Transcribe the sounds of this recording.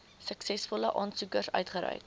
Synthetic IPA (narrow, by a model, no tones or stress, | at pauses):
səksɛsfɔləʔɑːnsukərsœ̰ɥtχəɾœ̰jk